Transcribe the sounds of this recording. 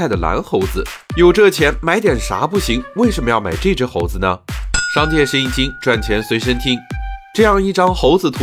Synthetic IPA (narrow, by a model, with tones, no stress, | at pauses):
a˥˩ɪd̪ə˩la̰˧˥nxo˧˥ʊd͡zɹ̩˧jo˨˩ʊʈ͡ʂɤ˥˩t͡ɕʰjɛ˧˥nma˧˥ɪt̪jɛ˨˩nʂa̰˧˥pu˥˩ɕi˧˥ŋwe˥˩ɪʂə˧˥nmə˧jɑ˥˩ma̰˨˩ɪʈ͡ʂɤ˥˩ʈ͡ʂə˥xo˧˥ʊd͡zɹ̩˧nə˩ʂɑ˥ŋt͡ɕjɛ˥˩ʂə˥ni˨˩t͡ɕi˥ŋʈ͡ʂwa˥˩nt͡ɕʰjɛ˧˥nswe˧˥ɪʂ̬ə˥nt̪ʰi˥ŋʈ͡ʂɤ˥˧jɑ˥˧ŋi˥˩ʈ͡ʂɑ˥ŋxo˧˥ʊd͡zɹ̩˨˧t̪ʰ